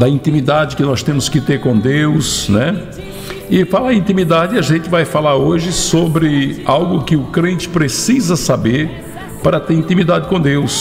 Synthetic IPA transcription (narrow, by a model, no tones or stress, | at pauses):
d̪ɐĩnt̪ĩmid̪ad͡ʒɪkɪnɔst̪ẽmʊskɪt̪eɾkõd̪ewsnɛ | ɪfalɐaĩnt̪ĩmid̪ad͡ʒɪɐʒẽnt͡ʃ̪ɪvajfalaɾoʒɪsobɾɪawɡʊkɪʊkɾẽnt͡ʃɪ̥pɾesizɐsabeɾ | paɾɐt̪eɾĩnt̪ĩmid̪ad͡ʒɪkõd̪ews